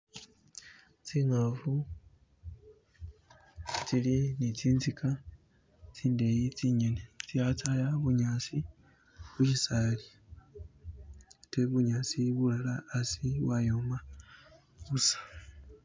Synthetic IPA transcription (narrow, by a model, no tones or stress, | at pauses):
t͡siŋavu | t͡silinit͡siːnzika | t͡siːndejit͡siɲenet͡siat͡sajaβuɲaːt͡si | βuʃisali | teβuɲaːt͡siβulalaːsiwajoːma | βusḁ